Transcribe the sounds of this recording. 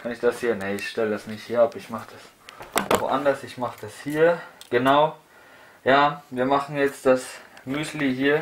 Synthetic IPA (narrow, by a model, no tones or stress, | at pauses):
kʰanɪçd̥ashiːɐnɛɪçʃtɛlədasnɪçthiːɐapɪçmaχəd̥as | vo̰ʔandɐsɪçmaχəd̥ashiːɐɡ̥ənaʊ | jaːviːɐmaχn̩jɛt͡std̥asmyːsliɦiːɐ